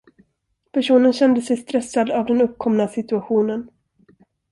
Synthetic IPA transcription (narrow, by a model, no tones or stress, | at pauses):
pʰæʂuːnənɕɛnd̪əsɛjst̪ɾɛsːad̪avd̪ɛnɵp̚kʰɔmnasɪt̪ɵaɧuːnən